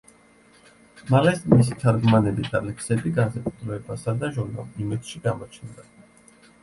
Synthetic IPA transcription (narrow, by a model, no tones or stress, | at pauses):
malɛsmis̬it̪ʰaɾɡmanɛbid̪alɛksɛb̪iɡansakʼut̪ʰʼɾɔɛbasad̪aʒuɾna̰lˠimɛd̪ʃiɡamɔt͡ʃʰnd̪a